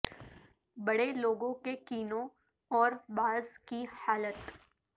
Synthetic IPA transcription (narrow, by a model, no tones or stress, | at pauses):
bɐɽeloːɡõkekiːnõ | ɔːɾbaːzkihaːlət̪